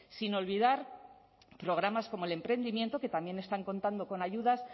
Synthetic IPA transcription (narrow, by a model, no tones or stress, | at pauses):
sino̞lβiðaɾ | pɾo̞ɣ̞ɾamasko̞moele̞mpɾe̞nd̪imje̞nt̪o̞ke̞t̪amje̞ne̞st̪aŋko̞nt̪and̪o̞ko̞naʝuðas